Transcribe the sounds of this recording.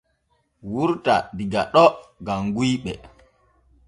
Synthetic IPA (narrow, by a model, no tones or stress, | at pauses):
wuɾta̰diɡaɗɔɡamɡujɓɛ̰